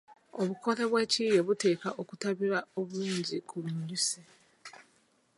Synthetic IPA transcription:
o̞βuko̞ɾe̞βwe̞ːciːjeβute̞ːkaʔokutaβiɾaoβuluːɲɟikʰuβumuɟuse

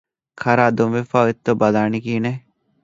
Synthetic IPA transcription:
kʰɐɾaːd̪omʋefaːet̪ːobɐlaːnikiːne

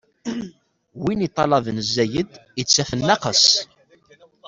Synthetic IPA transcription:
winit̪ˤːɑlɑðnəzːæjəd̪ət͡sːæfənːɑqəs

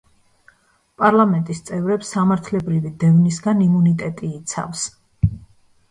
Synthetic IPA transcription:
pʼaɾlˠamɛnt̪ʼist̪sʼɛvɾɛpsːamaɾt̪ʰlɛbɾivid̪ɛvnisɡanimunit̪ʼɛt̪ʼiːt̪sʰa̰fs

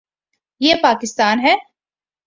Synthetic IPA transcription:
jeːpaːkɪst̪aːnɦɛː

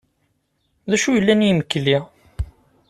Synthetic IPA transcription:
ðæʃujəlːænjməkːli

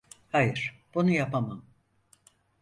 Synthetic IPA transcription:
hajɯɾ̥b̥unujapamam

